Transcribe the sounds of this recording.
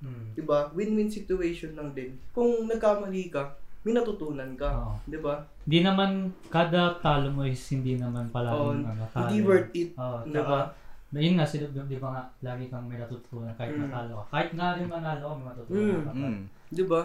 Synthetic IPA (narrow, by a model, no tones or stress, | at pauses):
d̪ɪbawɪnwɪnsɪt̪ʊɛjʃonlɐŋd̪ɪnkʊŋnɐɡ̚kamɐliːkɐmɐjnɐt̪ʊt̪uːnɐnkɐoːʔod̪ɪba | hɪnd̪inɐmankaːd̪ɐt̪aːlomoʔɪshɪnd̪inɐmanpɐlaːɡɐŋɐt̪aːd̪iwɛɹt̪ɪt̪̚ʔoːʔd̪ɪbajʊnŋaʔsɪlod̪ɪbaŋaʔlaːɡɪkɐŋmɐjnɐt̪ʊt̪ʊʔuːnɐnkaːhɪmɐt̪aːlokɐkaːhɪt̪̚ŋad̪ɪnmɐnaːloʔomɐjmɐt̪ut̪uːnɐa | d̪ɪba